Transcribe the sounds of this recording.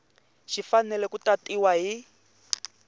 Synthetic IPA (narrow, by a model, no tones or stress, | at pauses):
ʃifanɛlɛkutatʼiwaɦi